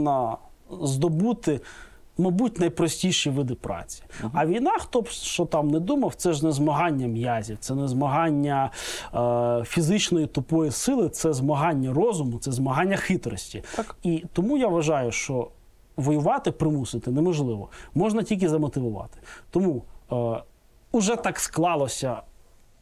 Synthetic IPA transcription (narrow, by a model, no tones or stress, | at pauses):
nɐ | zd̪ɔbut̪ɪ | mɐbutʲnɐjpɾɔsʲtʲijʃiʋɪd̪ɪpɾɑ̰t͡sʲi̥ɐʋʲijnɑxt̪ɔʃt͡ʃɔt̪ɑmnɛd̪umɐwt̪sɛʒnɛzmɐɦɑnʲːɐmjazʲiwt̪sɛnɛzmɐɦɑnʲːɐ | fʲizɪt͡ʃnɔjit̪ʊpɔjisɪlˠɪt̪sɛzmɐɦɑnʲːɐrɔzʊmʊt̪sɛzmɐɦɑnʲːɐxɪt̪ɾɔsʲtʲiit̪ɔmujaʋɐʒɑjʊʃt͡ʃɔ | ʋɔjʊʋɑt̪ɪpɾɪmusɪt̪ɪnɛmɔʒlˠɪʋɔ̰mɔʒnɐtʲilʲk̬ʲɪzɐmɔt̪ɪʋʊʋɑ̰t̪ɪ̥t̪ɔmu | ʊʒɛt̪ɑksklˠɑlˠɔsʲɐ